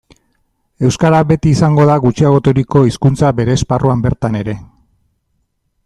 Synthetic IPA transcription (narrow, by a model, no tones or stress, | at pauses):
e̞wskaɾabe̞t̪iːsaŋɡo̞ðaɣut͡ʃiaɣo̞t̪oɾiko̞iskunt͡sabe̞ɾe̞sparuambe̞ɾt̪ane̞ɾe̞